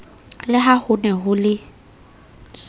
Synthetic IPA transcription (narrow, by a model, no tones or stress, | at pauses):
lɪɦahʊnɛɦʊlɪ